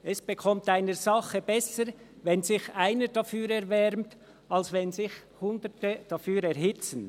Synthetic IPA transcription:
ɛsb̥əkʰɔmtaɪnəzɑχəbɛsəɾ | vɛnzɪçaɪnəd̥afyːɾɛɾvɛɾmt | alsvɛnzɪçhʊndətəd̥afyːɾɛɾhɪt͡sən

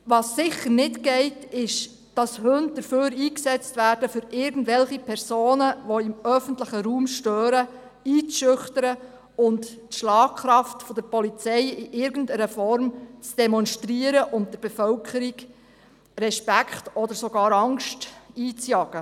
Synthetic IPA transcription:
ʋɑsːɪχəɾnɪtɡɛɪtɪʃ | d̥ɑshɵnt̚d̥əɾføːɾiːksɛt͡stʋæːɾd̥əfʏɾɪɾɡən̩dvɛlχipʰɛɾsoːnəʋɔɪmœfən̩tləχəɾuːmʃtøːɾə | iːt͡sʃʏχtəɾə | ʊnttʃlɑːkkχɾɑftfɔd̥̪əɾpɔlit͡sɛɪɪʔɪɾɡən̩dɛɾəfɔɾmt͡sd̥ɛmɔnʃtɾiəɾəʔʊnt̚dəɾbɛfœwkʰəɾiɡ | ɾɛʃpækχtɔd̪əɾsɔɡ̥ɑːɾɑŋʃtiːt͡sjɑɡ̥ə

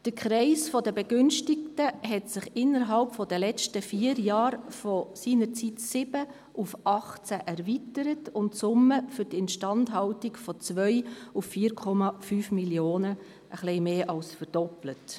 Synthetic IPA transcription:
d̥əkʰχɾɛɪsfɔdəbɛɡʏnʃtɪk̚təɦɛtsɪχɪnːəɾɦɑlpfɔdəlɛt͡stəfiːəɾjɑːɾfɔsiːnəɾt͡sitsɪb̥ə | ʔufʔɑχt͡sæʔɛɾvitəɾətʊntsʊmːəfʏɾdɪntʃtɑntɦɑltiɡfɔt͡sʋœʏufːiːɾkʰɔmɑfyːfmiljoːnə | ʔəχlɛɪmeːʔɑlsfəɾd̥ɔplət

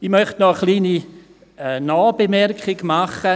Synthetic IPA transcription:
ɪmœχtnɔəχlˠiːni | ɛːnɔːbemɛrkʰɪɡmaχə

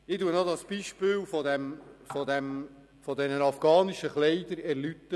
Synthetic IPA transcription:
ɪtuənod̪ɑsb̥iʃpɪːlfɔd̪ɛmfɔd̪ɛm | fɔd̪ɛnənɑfɡ̥ɑːniʃəχlɛɪd̪əɾɛɾlyt̪ːə

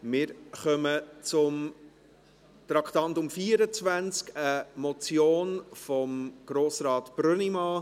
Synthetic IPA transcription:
mɪːɾχœmət͡sʊm | t̪ɾɑkʰtɑntʊmfiːəɾət͡svænt͡skəmɔt͡sjoːnfɔmɡ̥ɾoːsɾɑːt̪b̥ɾønimɑ

